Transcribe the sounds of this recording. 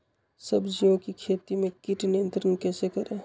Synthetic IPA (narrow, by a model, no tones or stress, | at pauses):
səbd͡ʒiõkikʰet̪imekiʈnijənt̪ɾənkɛsekəɾe